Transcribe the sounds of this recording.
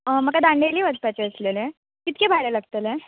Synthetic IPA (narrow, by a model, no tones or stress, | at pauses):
əməkad̪ãɳɖeliːʋəd̪̚pat͡ɕeəslele | kit̪kebʱajɽeləɡt̪ele